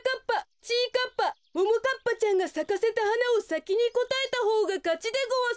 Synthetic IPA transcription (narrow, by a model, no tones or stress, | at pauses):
kapːat͡ɕiːkapːa | bomokapːat͡ɕãŋɡasakase̞t̪ahanao̞sakʲiɲ̟iko̞t̪ae̞t̪aɦo̞ːɡakat͡ɕid̪eɡoa